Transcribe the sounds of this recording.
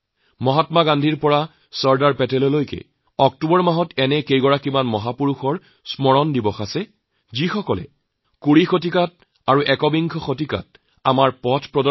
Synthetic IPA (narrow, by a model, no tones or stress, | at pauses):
mɔɦatmaɡandʱiɹpɔɹa | sɔɹdaɹpɛtɛlɔlojkɛ̰ | ɔk̚tubɔɹmaɦɔtɛnɛkejɡɔɹakimanmɔɦapuɹuxɔɹ | smɔɹɔndibɔxasɛ | zixɔkɔlɛ̰ | kuɹixot̬ikat̚ | aɹuʔɛkɔbiŋkʰɔxot̬ika̰t̚ | amaɹpɔtʰpɹɔdɔ